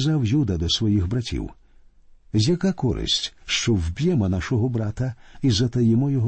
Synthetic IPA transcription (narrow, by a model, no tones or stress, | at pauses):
zawjud̪ɐd̪ɔsʋɔjixbɾɐtʲḭw | zʲjɐkakɔɾɪ̰sʲtʲʃt͡ʃɔwbʲjɛmɔnaʃɔɦɔbɾat̪ɐizɐt̪ɐjɛmɔjɔɦ